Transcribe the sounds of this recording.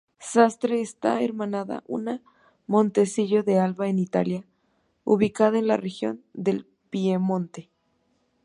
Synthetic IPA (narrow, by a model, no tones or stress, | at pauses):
sast̪ɾeːst̪a̰ḛɾmãnaða̰ʔṵna | mõnt̪esiʝoðealβaenit̪a̰lja | uβikaðaenlarexjo̞̰nd̪el | pjemõnt̪e